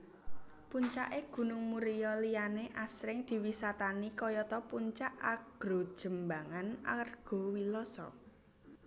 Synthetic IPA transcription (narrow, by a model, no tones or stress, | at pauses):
puɲt͡ʃaʔeɡ̥ṳnʊŋmuɾijɔlijaneʔasɾɪŋd̪̥i̤wisat̪anikɔjɔt̪ɔpuɲt͡ʃaʔaɡ̥ɾo̤d̥ʒ̥ə̤mbaŋana̰rɡ̥o̤wilɔsɔ̰